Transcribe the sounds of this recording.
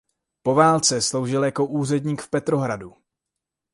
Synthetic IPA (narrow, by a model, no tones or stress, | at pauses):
po̞vaːlt͡sɛslo̞wʒɪljako̞ʔuːr̝ɛdɲiːkfpɛt̪ɾo̞ɦɾadu